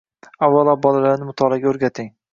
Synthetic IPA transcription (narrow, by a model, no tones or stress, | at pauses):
avːalˠabɒlalaɾnɪmʊt̪ʰɒlˠaɡʲaɵɾɡʲat̪ʰɪŋ